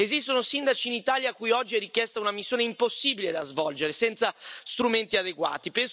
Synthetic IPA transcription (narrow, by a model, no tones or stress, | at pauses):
ezist̪onosind̪at͡ʃiːnit̪aːljakujɔd͡ʒːiɛrik̟jɛst̪aunamisːjoːneimposːiːbiled̪azvɔld͡ʒeɾesɛnt̪sast̪ɾument̪iad̪eɡwa̰ːt̪ipɛns